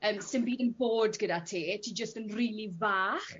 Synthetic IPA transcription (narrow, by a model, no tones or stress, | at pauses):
əːmsɪnbiːdənboːdɡədatʰeːtʰiːd͡ʒəstənriːlˠivaːχ